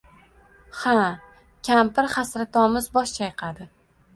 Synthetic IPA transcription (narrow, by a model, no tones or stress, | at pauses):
ha | kʲʰampɪɾχasɾat̪ʰɒmɪzbɒʃt͡ʃʰajqʰad̪ɪ